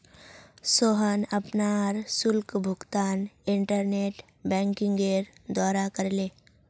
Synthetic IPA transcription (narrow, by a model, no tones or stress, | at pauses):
soɦənɐpnaːɾsʊlkbʱʊɡt̪aːnɪɳʈəɾneːʈ | bɛ̃ːŋkɪ̃ŋɡeɾd̪aːɾakəɾleː